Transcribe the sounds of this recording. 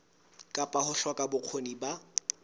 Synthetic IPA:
kʼapʼahʊɬɔkʼabʊq͡χʰoniba

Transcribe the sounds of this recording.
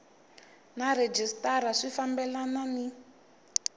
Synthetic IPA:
naɾed͡ʒistaɾaʂifambɛlanani

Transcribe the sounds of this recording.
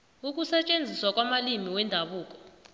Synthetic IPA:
uk̬ʼusɛt͡ʃʼend͡zʱiswak̬ʼwamalimiwɛndʱaɓuːk̬ʼɔ̥

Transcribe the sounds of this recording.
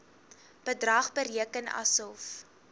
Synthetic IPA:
b̥ədrɐːχbəɾiəkənɐ̰sɔlf

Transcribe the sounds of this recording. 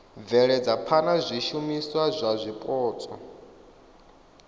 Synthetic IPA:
b̪vɛɺɛd͡zapʰanazʷiʃumiswazʷazʷipʼɔːt͡sʼɔ

